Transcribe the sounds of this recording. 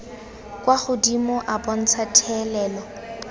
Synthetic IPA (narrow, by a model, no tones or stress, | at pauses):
kʼwaχʊdimʊʔabɔn̩t͡sʰatʰɛlɛːlɔ